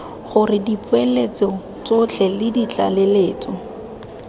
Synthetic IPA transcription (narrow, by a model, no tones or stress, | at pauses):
χʊrɪdipwelet͡sɔ | t͡sot͡ɬʰɛlɪdit͡ɬa̰leleːt͡sɔ